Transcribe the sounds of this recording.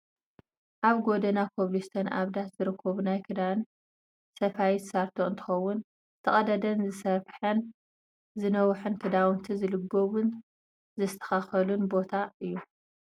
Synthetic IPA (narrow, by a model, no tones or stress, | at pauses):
ʔaβɡo̞d̪ɐnapʰoβlist̪ʰɐnʔa̰βd̪at̪zɨɾɨkʰːɐβunajkʰɨd̪awn | sɐfajit̪saɾt̪ʰoɨnt̪ʰɨ̥xɐwːʊn | t̪ʰɐχʼɐd̪ɐd̪ɐnzɨsɐβħɐn | zɨnɐwħɨnkʰɨd̪awnt̪ʰizɨlɨɡoβɨn | zɨst̪ʰɐ̥xaxɐlunbo̞t̪ʰaʔɨjːu